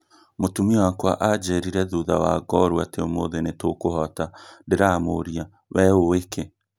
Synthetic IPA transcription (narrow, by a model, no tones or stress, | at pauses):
motumiwakwaʔad͡ʒeɾiɾɛðuðawaɡɔɾwateomoðenetokoɦɔtandeɾamoɾia | wɛoweke